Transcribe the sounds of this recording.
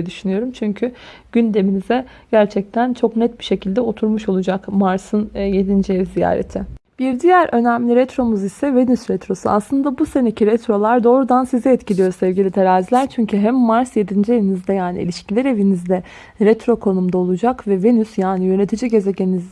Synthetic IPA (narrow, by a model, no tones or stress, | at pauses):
d̪yʃynyjo̞ɾumt͡ʃʰyɲcʰyɟ̥ynd̪e̞minizɛɟæɾt͡ʃʰɛc̚t̪ʰænt͡ʃʰo̞knɛt̪̚biʃe̞cʰilʲd̪ɛo̞t̪ʰuɾmuʃo̞lˠud͡ʒakmaɾsɯnje̞d̪ind͡ʒiezija̰ːɾḛt̪ʰɪb̥iɾd̪ijæɾø̞næmlʲiɾɛt̪ɾo̞muzisɛve̞nysɾɛt̪ɾo̞sua̰slˠɯnd̪abuse̞ne̞cʰiɾɛt̪ɾo̞lˠaɾd̪o̞ːɾud̪ansizɛɛt̪cilʲijoɾsɛvɟilʲit̪ʰeɾaːzilʲæɾt͡ʃʰyɲcʰyɦɛmːaɾsje̞d̪ind͡ʒie̞vinizd̪ɛjaːnḭḭlʲiʃcilʲɛɾe̞vinizd̪ɛ | ɾɛt̪ɾo̞kʰo̞numd̪ao̞lˠud͡ʒakvɛve̞nysjaːnijø̞ne̞t̪ʰid͡ʒiɟe̞zeceniz